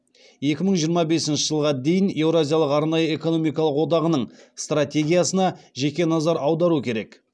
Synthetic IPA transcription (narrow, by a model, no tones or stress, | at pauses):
je̞kʲɪməɴʒijəɾmɑbe̞sɪnʃɪʒəlˠʁɑd̪e̞jɪne̞wɾazʲijalˠəqɑɾnɑjəe̞ko̞no̞mijkɑlˠəqwo̞d̪ɑʁənəɴst̪rat̪ʲe̞ɡʲijasənɑʒe̞kʲe̞nɑzɑɾɑwd̪ɑɾukʲʰe̞ɾe̞k